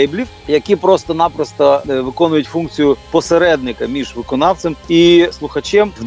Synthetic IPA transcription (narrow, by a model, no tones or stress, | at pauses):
jblʲiw | jɐkʲipɾɔst̪ɔnɑpɾɔst̪ɔʋɪkɔnʊjʊtʲfunk̚t͡sʲijʊpɔseɾɛd̪̚nɪkɐmʲiʒʋɪkɔnɑwt͡s̪ʲemislˠʊxɐt͡ʃɛmw̪